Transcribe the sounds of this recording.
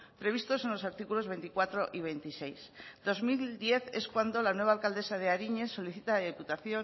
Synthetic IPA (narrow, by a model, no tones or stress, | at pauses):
pɾe̞β̞ist̪o̞se̞nlo̞saɾt̪ikulo̞zβe̞nt̪ikwat̪ɾo̞ʔiβ̞e̞jnt̪ise̞jsd̪o̞zmild̪je̞θe̞skwand̪o̞lanwe̞β̞aːlkald̪e̞sað̞eaɾiɲe̞sːo̞liθit̪alaðiput̪aθjo̞